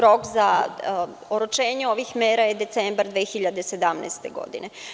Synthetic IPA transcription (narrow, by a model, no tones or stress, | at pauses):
ɾokza | oɾut͡ʃe̞ːɲeo̞ʋixmeːɾajed̪e̞t̪sembɾd̪ʋeːxiʎad̪e̞sed̪amna̰ːst̪eɡo̞̰d̪ḭne